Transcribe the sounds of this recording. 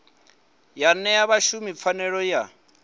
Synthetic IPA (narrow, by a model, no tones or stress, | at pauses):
janɛjaβaʃumip̪fʰanɛɺɔja